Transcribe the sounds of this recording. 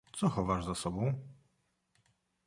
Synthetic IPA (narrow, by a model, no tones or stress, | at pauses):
t̪sɔxɔvaʐzasɔbɔ̃w̃